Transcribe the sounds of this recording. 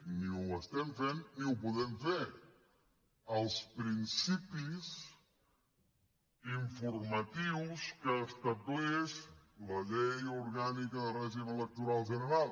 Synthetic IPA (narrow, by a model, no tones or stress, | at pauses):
niuəst̪ɛɱfenːiupuðɛmfe | əlˠspɾinsipis | iɱfuɾmət̪iwskəːst̪ət̪ueʃləʎejuɾɣanikəðəreʒiβələk̚t̪uɾalˠʒənəɾalˠ